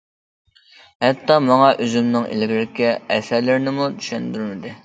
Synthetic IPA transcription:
hɛt̪ːɑmɑŋɑʔøzymnɨŋḛlɡʲilɪkʲɪɛsæɾlɪɾnɪmud̪y̥ʃɛnd̪yɾmɪd̪ɪ

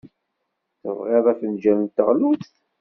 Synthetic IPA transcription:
θəvʁeðˤɑθənd͡ʒælənt̪ːə̰ʁluθθ

